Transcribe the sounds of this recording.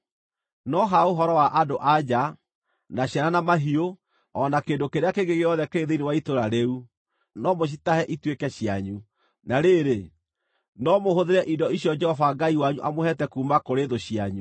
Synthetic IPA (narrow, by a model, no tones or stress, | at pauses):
nɔɦaoɦɔɾɔwaʔadoʔad͡ʑa | naɕjaɾanamaɦio | ɔnakeːndokeɾeakeɡeɣeɔðɛkeeðeinewaitoɾaɾeu | nɔmoɕ̬itahɛʔitwekɛɕjaɲu | naɾeɾe | nɔmohoðeɾɛʔidɔiɕjɔd͡ʒɛhɔfaɡaiwaɲuʔamohɛtɛkuːmakoɾeðoɕiaɲu